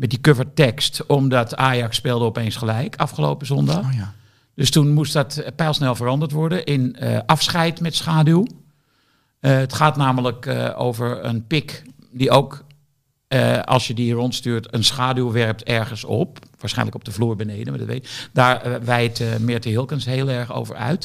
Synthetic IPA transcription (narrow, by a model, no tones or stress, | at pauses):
mɛt̚dikøvəɹtɛkstɔmdɔtaːjɑksːpɪːlˠdəopeːnsχəlɛjkʰɑfχəloːpəzɔnda | døstunmustdɔtpɛlˠsnɛlˠvərɑndəɹtʋɔɹdəʔɪnəɑfsχɛjtmɛtsχaːdylˠ | ətχaːtnaːmələko̰ːvəɹə̰npɪkdiowk | əɑ̰lˠsjədirɔntstyːɹtənsxaːdylˠʋɛrp̚tʰɛɹɣənsɔ̰p̚ʋaːɹsχɛ̰jnləkɔp̚dəvluːɹbəneːdənʋədətʋḛd̥aːɹʋɛjtmɪɹtəɦɪlˠkənsheːəlˠɛɹxo̰wvə̰ɹœ̰ɥt